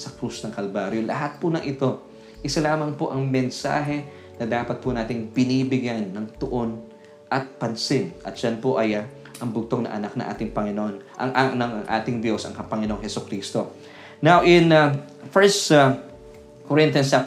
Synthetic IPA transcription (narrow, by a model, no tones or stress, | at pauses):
sɐkɾusnɐŋkɐlbaːɾjolɐ̰ɦat̪̚pʊnɐʔɪt̪o̞ | ʔɪsɐlaːmɐŋpoʔɐŋmɛnsa̰ːɦɛ | nɐd̪aːpɐt̪̚pʊnaːt̪ɪŋbɪniːbɪɡjanːɐŋt̪ɐʔo̞n | ʔɐt̪̚pɐnsɪnʔɐ̰t̪̚d͡ʒ̥ɐnpoʔɐj | ʔɐŋbʊɡ̚t̪oŋnɐ̰ŋʔɐ̰nak̚nɐ̰ŋʔa̰ːt̪ɪŋpɐŋɪnoonʔɐ̰ŋʔanɐŋɐŋʔa̰ːt̪ɪŋd̪josɐ̰ŋkɐpɐŋɪno̞ŋhɛsʊkɾiːst̪o̞ | nawʔɪnɐ | fɛɹst̪ | koɾɪ̃nt̪ɐnsa